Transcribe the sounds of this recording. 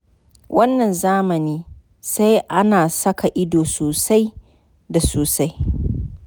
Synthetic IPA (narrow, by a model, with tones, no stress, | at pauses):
wʔɐ˦nːɐ˨nzaː˦mɐ˨niː˦ | sa˦jʔa˦naː˨sɐ˦ka˨ʔɪ˦doː˨soː˨sa˦j | da˨soː˨sa˦j